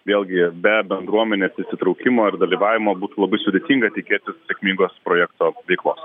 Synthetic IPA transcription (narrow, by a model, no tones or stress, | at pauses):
ʋʲeːlˠʲɡʲɪbʲɛbʲɛnd̪ɾuɔmʲɛnʲeːsɪʃʲsʲɪt̪ɾɔʊkʲɪmoːɪrd̪ɐlʲiːʋɑːʋʲɪmoːbuːt̪uːlˠɐbɐɪsʊd̪ʲeːt̪ʲiːŋɡɐt̪ʲɪkʲeːt̪ʲɪssʲeɛkʲmʲiŋɡoːspɾoːjɛkt̪oːʋʲɛɪklˠoːs